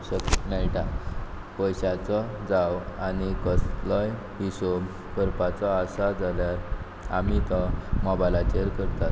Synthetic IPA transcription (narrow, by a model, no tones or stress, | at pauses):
ɕəknajʈa | pɔjɕat͡sɔd͡zawanikəslɔj | ɦiso | kəɾpat͡sɔːsad͡zaljaɾ | a̰mit̪ɔmɔbajlat͡ɕeɾkəɾt̪at̪